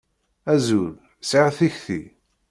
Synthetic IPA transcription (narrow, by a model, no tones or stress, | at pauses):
æzul | seʁθiçθḭ